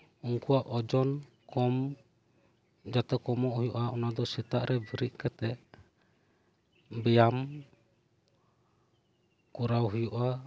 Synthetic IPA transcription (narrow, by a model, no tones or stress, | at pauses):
uŋkuaʔɔd͡ʒɔn | kɔm | d͡ʒat̪ɛkɔmɔʔhujuʔaunad̪ɔsit̪aʔɾʔɛbəɾiʔ̚kɛt̪ɛ | bɛjam | kuɾawɦujuʔa